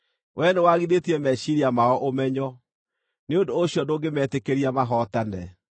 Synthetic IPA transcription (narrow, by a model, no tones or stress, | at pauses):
wʔɛnɛwaɣiðetiɛmɛɕiɾiamaɔʔomɛɲɔ | neondoːɕjɔndoːɡemɛtekeɾiamaɦɔtanɛ̰